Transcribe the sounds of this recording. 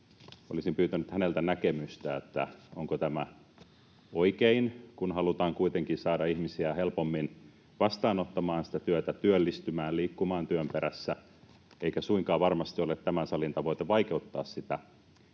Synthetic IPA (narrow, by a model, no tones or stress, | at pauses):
olisimpyːt̪ænyt̪hænelt̪ænækemyst̪æet̪ːæ̰oŋkot̪æmæ | oikeinkunhɑlut̪ɑːŋkuit̪eŋkinsɑːdɑihmisiæhelpomːin | ʋɑst̪ɑːnot̪ːɑmɑːnsi̥t̪æt̪yøt̪æt̪yølːist̪ymæːlliːkːumɑːnt̪yømpeɾæsːæ | eikæsuiŋkɑːʋɑrmɑst̪iolet̪t̪ːæmænsɑlint̪ɑʋoit̪eʋɑikeut̪ːɑ̰ːssit̪æ